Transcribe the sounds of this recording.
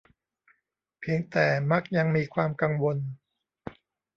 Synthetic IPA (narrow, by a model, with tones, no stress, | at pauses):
pʰi˧əŋt̪ɛː˨˩ma˦˥˩k̚ja˧ŋmiː˧kʰwaː˧mka˧ŋwo˧n